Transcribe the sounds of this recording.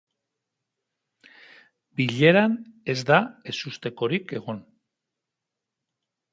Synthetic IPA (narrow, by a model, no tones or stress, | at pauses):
biʎe̞ɾane̞zd̪ae̞sust̪e̞ko̞ɾike̞ɣ̞o̞n